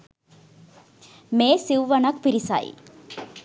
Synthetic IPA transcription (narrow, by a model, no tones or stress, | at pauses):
meːsiwʋɐnɐkpiɾisa̰j̰